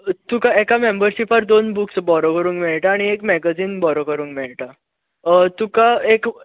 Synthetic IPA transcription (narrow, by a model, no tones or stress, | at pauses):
t̪ukaekamembəɾɕipaɾd̪onbuksbɔɾokəɾuːŋkmeɭʈaːɽ̃iekmɛɡad͡ziːnbɔɾokəɾũːŋkmeɭʈa | t̪ukaek